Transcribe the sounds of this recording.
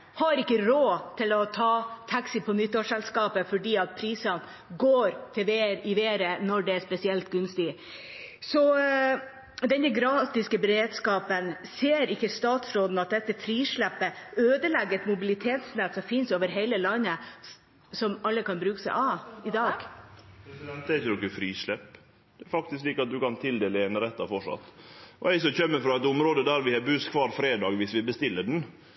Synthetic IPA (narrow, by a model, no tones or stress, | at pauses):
hɑɾɪkːəɾoːt̪ʰɪlɔt̪ʰɑːt̪ʰɑksɪpʰɔnʏt̪ːoːʂɛlskɑːpəfɔɖiːɑt̪̚pʰɾiːsɑn | ɡoːɾt̪ʰɪʋeːɾɪʋeːɾənɔɖɛæʂpɛsɪɛlt̪ɡʉnst̪ɪ | sɔ | d̪ɛnːəɡɾɑːt̪ɪskəbɛɾeːd̪skɑːpənseːɾɪkːəst̪ɑːt̪sɾoːd̪n̩ɑt̪̚d̪ɛt̪ːəfʰɾiːʂɭæpːəøːd̪əlɛɡəɾɛt̪mʊbɪlɪt̪ʰeːt̪snɛt̪sɔmfɪnsoːʋəɾɦeɪləlɑnːə | sɔmɑlːəkɑnbɾʉːkə̥sæ̰ɪʔɑɪd̪ɑːɡ̥pɛsɪd̪ɛnt̪əɛɾɪçəd̪ɔkːəfɾiːʂɭɛpː | d̪ɛɾfɑk̚t̪ɪskliːkəɑt̪̚d̪ʉkɑnt̪ʰɪld̪eːləɛnɾɛt̪ːɑfɔʂɑ̰t̪ːʔɔ̰æɪsɔçœmːəfɾɑɛt̪ʊmɾoːd̪əd̪æɾʋɪhɛbʉskʰʋɑːɾfɾeːd̪ɑːɡʋɪsʋɪbəst̪ɪlːəɖɛn